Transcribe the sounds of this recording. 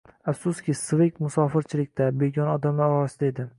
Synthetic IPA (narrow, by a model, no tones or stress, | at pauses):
afsʊskʲɪsvekʲmʊsɒfɪɾt͡ʃʰɪlɪk̚ʲt̪ʰabe̞ɡʲɒnɒd̪amɒwɒsɪd̪aed̪ɪ